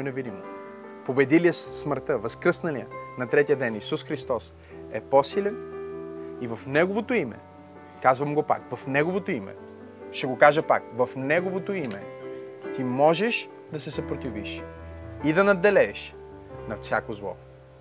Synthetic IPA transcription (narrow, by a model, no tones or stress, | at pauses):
jnɛvid̪imo | pobɛd̪iliəssməɾt̪əvɐskɾəsnɐliənɐt̪ɾɛt̪ijəd̪ɛnisusxɾist̪ɔs | ɛposilɛn | ivɐfnɛɡovot̪oimɛ̰ | kazvɐmɡopa̰kvɐfnɛɡovot̪oimɛ̰ | ʃt̪ɛɡokaʒəpa̰kvɐfnɛɡovot̪oimɛ̰t̪imɔʒɛʃ | d̪ɐsɛsɐpɾot̪iviʃ | id̪ɐnɐd̪ːɛlɛːʃ | nɐfsʲakozlˠɔ̰